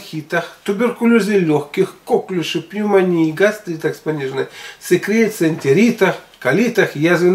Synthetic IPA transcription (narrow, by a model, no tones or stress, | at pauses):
xʲit̪axt̪ʊbʲɪrkʊlʲozʲɨlʲoxkʲixkoklʲʊʂɨpnʲumanʲiːɡast̪ɾʲit̪akspanʲiʐnɨsʲɨkɾʲet̪senʲt̪ʲeɾʲit̪axkalʲit̪axjazʲɪ